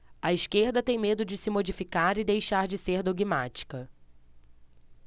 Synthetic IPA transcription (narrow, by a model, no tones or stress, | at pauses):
ɐiskeɾd̪ɐt̪ẽj̃med̪ʊd͡ʒɪsɪmod͡ʒifikaɾɪd̪ejʃaɾd͡ʒɪseɾd̪oɡimat͡ʃi̥kɐ